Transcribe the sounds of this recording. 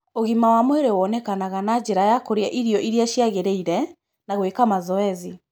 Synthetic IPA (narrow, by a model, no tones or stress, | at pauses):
oɣimawamweɾewɔnɛkanaɣanad͡ʑeɾajakoɾeaʔiɾiɔʔiɾiaʃiaɣeɾeiɾɛ | naɣwekamazɔɛzi